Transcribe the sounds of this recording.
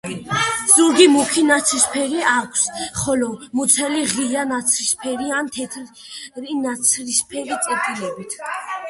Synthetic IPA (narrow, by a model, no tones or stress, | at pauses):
z̥uɾɡimukʰinat̪sʰispʰɛɾiakʷʰsχɔlɔmut̪sʰɛliʁijanat̪sʰɾispʰɛɾiant̪ʰɛt̪ʰɾɾinat̪sʰɾispʰɛɾit̪sʼɛp̪ʰilɛbit̪ʰ